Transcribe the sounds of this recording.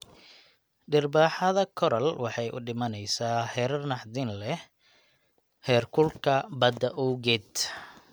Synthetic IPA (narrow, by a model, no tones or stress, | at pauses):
ɖɪrbaːħɑðɐkʰɔɾɐlwɑħɑjʔʊ̰ɖɪmɐnɛjsaːhɛːɾɐrnɑħd̪ɪnlɛ | hɛːrkʰʊlkʰɐbɐd̪ɐʔuwɡɛd̪